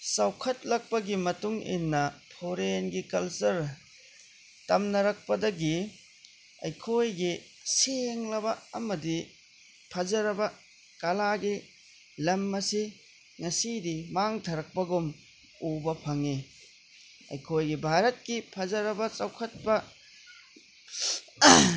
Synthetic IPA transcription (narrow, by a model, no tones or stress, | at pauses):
sɐwkʰɐt̚lɐk̚pɐɡimɐtuŋḭnːɐpʰoɾenɡikɐlsɐɾ | tɐmnɐɾɐk̚pɐdɐɡi | ɐjkʰojɡi | seŋlɐbɐɐmɐdi | pʰɐd͡ʒɐɾɐbɐ | kɐlaɡi | lɐmːɐsi | ŋɐsidimaŋtʰɐɾɐk̚pɐɡum | ubɐpʰɐŋi | ɐ̰jkʰojɡibʱaɾɐt̚kipʰɐzɐɾɐbɐt͡ʃɐwkʰɐt̚pɐ